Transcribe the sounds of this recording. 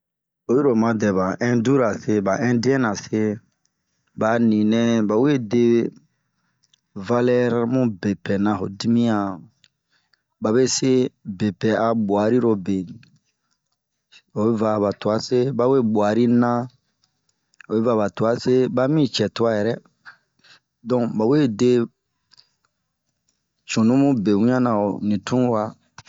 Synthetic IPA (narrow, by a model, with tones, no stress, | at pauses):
o˨ji˦ɾo˨mã˧dɛ˨ba˨ɛ̃˦du˦ɾa˨se˦ba˨ʔɛ̃˦di˦ɛ̃˦nã˨se˦ | ba˨nĩ˨nɛ̃˦ba˨we˦de˦ | va˦lɛ˦ɾa˦mũ˦be˨pɛ˨nã˨ɦo̰˨di˦mĩ˦ã˨ | ba˨be˦se˦be˨pɛ˨ʔa˨bwa˨ɾi˦ɾo˧be˨ | o˨be˦va˦˨ba˨tu˨a˦se˦ba˦we˦bwa˨ɾi˦nã˦ | o˨be˦va˦˨ba˨tu˨a˦se˦ba˦mĩ˦t͡ʃɛ˨tu˦a˦jɛ˨ɾɛ˦ | dɔ̃˦˨ba˨we˦de˦ | t͡ʃũ˨nũ˦mũ˦be˨wĩ˦ã˦nã˨o˨nĩ˨tũ˦wa˦